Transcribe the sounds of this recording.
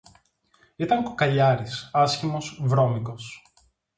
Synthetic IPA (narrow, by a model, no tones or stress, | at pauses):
it̪ɐŋkokɐʎɐɾisɐsçimo̞svɾo̞miko̞s